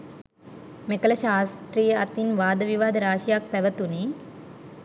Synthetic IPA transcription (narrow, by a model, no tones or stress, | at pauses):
mekɐlɐʃaːst̪ɾijɐɐt̪inʋaːd̪ɐʋiʋaːd̪ɐɾaːʃjak̚pɛʋɐt̪uni